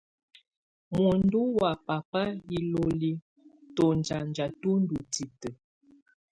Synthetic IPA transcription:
mɔ˨n̩˦du˦wa˨pa˨pa˦ji˦lo˦li˦ | tɔ˨n˨d͡ʒa˨n˨d͡ʒa˨tu˦n̩˦du˨ti˨tə˨

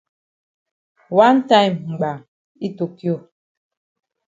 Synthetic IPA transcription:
wa˦n˦ta˦jmm̩˨ɡ͡ba˨ŋ | i˦to˨ki˦o˦˨

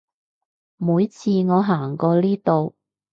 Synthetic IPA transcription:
muː˨˧˥jt͡sʰiː˧ŋɔː˨˧ɦaː˨˩ŋkɔː˧liː˥t̪o˨w

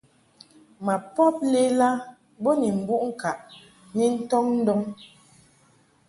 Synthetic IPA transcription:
ma˨pɔ˦p̚le˦la˦ | bɔ˦ni˨m̩˨bu˦ʔŋ̩˦ka˨ʔ | ni˦n̩˦tɔ˦ŋn̩˦dɔ˦ŋ

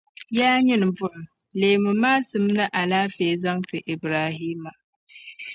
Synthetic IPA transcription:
jaː˦ɲɪ˦n˨bʊ˦l | leː˨mʊ˨maː˦sɨ˨m˦nɨ˦ʔa˨laː˦feː˨za˦ŋtɨ˨ʔi˨bɾaː˨ɦiː˦ma˨

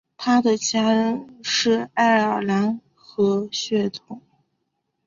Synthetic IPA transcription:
t̪ʰa˥d̪ə˨t͡ɕja˥ɻə˧˥nʂɻ̩˥˧a˥˩ɪə˨˩la˧˥n | xɤ˧˥ɕɥɛ˥˩t̪ʰʊ˨˩˦ŋ

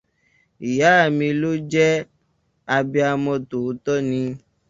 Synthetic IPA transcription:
i˨ja˨˦a˦˨mĩ˧lo˦d͡ʒɛ˦ | a˧bi˧a˧mɔ̃˧to˨˦t̪ɔ˦nĩ˧

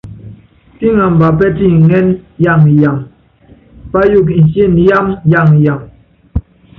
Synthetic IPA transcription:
ti˦ŋa˨m̩˨ba˨p̬ɛ˦ti˦˨ŋɛ˦nja˦˨ŋ˨ja˨m | pa˦ju˦˨k̬n̩˨se˦n˨ja˦mja˦˨ŋja˨ŋ

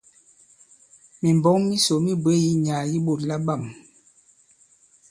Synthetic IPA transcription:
mi˨m˨bɔ˦ŋmi˦so˨mi˦bə˦ji˦ɲaː˨ji˦bo˨tla˦ba˦˨m

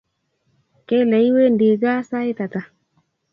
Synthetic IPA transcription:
kɛ˦lɛ˨i˦we˦ndi˨ɡa˦sa˦e˦ta˨ta˨

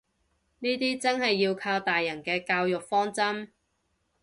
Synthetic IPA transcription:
niː˥t̪iː˥t͡sɐ˥nhɐ˨jːiː˧wkʰaː˧wt̪aː˨jːɐ˨˩nkɛː˧kaː˧wjʊ˨k̚fɔː˥ŋt͡sɐ˥m

